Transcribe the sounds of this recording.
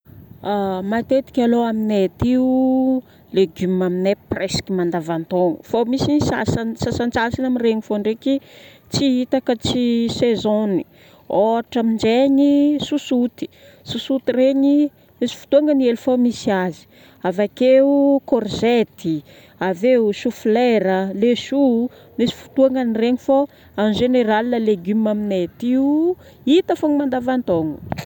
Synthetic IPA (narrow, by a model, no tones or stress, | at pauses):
amat̪et̪i̥kʲaloaminet̪iu | leɡymaminepreskimand̪avant̪oŋufomisisa̰sansasant͡sasinamireɲifoɳɖ͡ʐeki | t͡siit̪akət͡sisezoni | oaʈ͡ʂamind͡ʒeɲisusut̪i̥ | susut̪ireɲi | misi̥fu̥t̪uaŋənielfomisiazi̥ | avakeukorzet̪i | aveuʃufleɾəleʃu | misi̥fu̥t̪uaŋənireɲifo | anʒeneɾalinəleɡymaminet̪iu | it̪afoŋimand̪avant̪oŋṵ